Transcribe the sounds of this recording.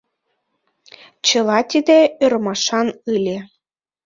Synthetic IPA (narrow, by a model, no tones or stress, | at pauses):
t͡ɕɤ̆lɑt̪ʲid̪ʲĕørmɑʃɑnɯlʲe